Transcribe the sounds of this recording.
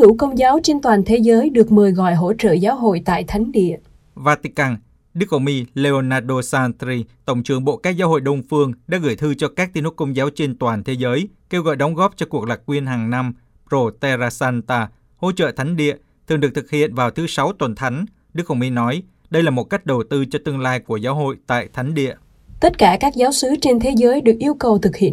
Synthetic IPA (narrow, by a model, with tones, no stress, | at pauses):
u˧˥˩kə˧wŋ͡mzaː˨˦wt͡ɕe˧nt̪waː˨˩nt̪ʰe˨˦zəː˨˦jɗɨ˨˩ək̚mɨ˨˩əjɣɔ̰˧˨jɦo̰˧˥t͡ɕə̰ː˧˨zaː˨˦wɦo̰˧˨jt̪a̰ː˧˨jt̪ʰa˨˦jŋ̟ɗḭ˧˨əʔ | vaː˧t̪i˧kaː˧n | ɗɨ˦˥k̚ʔo˧˩wŋ͡mmi˧le˧o˧naː˧ɗo˧saː˧nt̪ɾi˧t̪ə˧˩wŋ͡mt͡ɕɨ˨˩əŋɓo̰˧˨kaː˦˥k̚zaː˨˦wɦo̰˧˨jɗə˧wŋ͡mfɨ˧əŋɗa̰ː˧˥ɣɨ̰˧˩jt̪ʰɨ˧t͡ɕɔ˧kaː˦˥k̚t̪i˧nt̪u˨˥kə˧wŋ͡mzaː˨˦wt͡ɕe˧nt̪waː˨˩nt̪ʰe˨˦zəː˨˦jke˧wɣɔ̰˧˨jɗɔ˨˦wŋ͡mɣɔ˦˥p̚t͡ɕɔ˧ku˨˩ək̚laː˨˩k̚ːwi˧ənɦaː˨˩ŋna˧m | zo˧˩t̪ɛ˧zaː˧saː˧nt̪aː˧ | ho̰˧˥t͡ɕə̰ː˧˨t̪ʰa˨˦jŋ̟ɗḭ˧˨ə | t̪ʰɨ˨˩ŋɗɨ˨˩ək̚t̪ʰɨ̥˨˩k̚hḭ˧˨ənvaː˨˩wt̪ʰɨ˨˦sa˨˦wt̪wə˨˩nt̪ʰa˨˦jŋ̟ | ɗɨ˦˥ək̚xə˧˩wŋ͡mmi˧nɔ˨˦j | ɗə˧jlaː˨˩mo˨˩t̚ka˦˥jk̟̚ɗə˨˩wt̪ɨ˧t͡ɕɔ˧t̪ɨ˧əŋlaː˧jku˧˩əzaː˨˦wɦo̰˧˨jt̪a̰ː˧˨jt̪ʰa˨˦jŋ̟ɗḭ˧˨əʔ | t̪ə˦˥t̚kaː˧˩kaː˦˥k̚zaː˨˦wsɨ˨˦t͡ɕe˧nt̪ʰe˨˦zəː˨˦jɗɨ˨˩ək̚ʔi˧əwkə˨˩wt̪ʰɨ˨˩k̚hḭ˧˨ə˨